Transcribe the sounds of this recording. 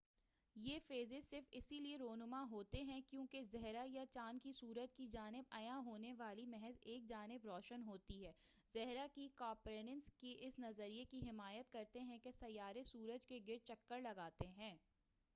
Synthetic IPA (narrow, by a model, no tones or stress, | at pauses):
jeːfeːzesɪɾfɪsilieɾoːɦnʊmaɦoːt̪eɦɛ̃kjõːkezɛɦɾajat͡ʃaːnkisuːɾəd͡ʒkid͡ʒaːnɪb̚ɐjãɦoːneʋaːlimɛɦɛzeːk̚d͡ʒaːnɪbɾɔːʃənɦoːt̪iɦɛː | zɛɦɾakikaːpɾeːnənskeʔɪsnɐzəɾiekiɦɪmaːjət̪̚kɐɾt̪eɦɛ̃kesɐjːaːɾesuːɾəd͡ʒkeɡɪɾ̚t͡ʃɐkːəɾlɐɡaːt̪eɦɛ̃ː